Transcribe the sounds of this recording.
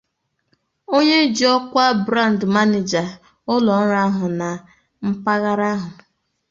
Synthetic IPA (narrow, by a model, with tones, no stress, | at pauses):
o˦ɲe˦d͡ʒi˨ɔ˦kʷa˦bɾa˦˨n˨dma˦ne˨d͡ʒa˨ | ʊ˦lɔ˨n̩˦ɾa˦ɦʊ˨na˨ | m̩˦pa˦ɣa˦ɾa˦ɦʊ˨